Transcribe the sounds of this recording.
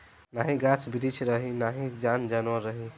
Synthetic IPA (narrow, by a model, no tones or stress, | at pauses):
naɦĩɡat͡ʃʰbiɾit͡ʃʰɾəɦinaɦid͡ʒand͡ʒanɔɾəɦi